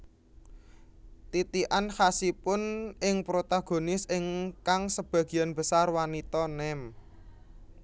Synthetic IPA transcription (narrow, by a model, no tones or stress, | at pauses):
t̪it̪iʔanhasipʊnɪŋpɾot̪aɡ̥o̤nɪsɪŋkaŋsəb̥ä̤ɡ̥i̤janb̥əsarwanit̪ɔnɛm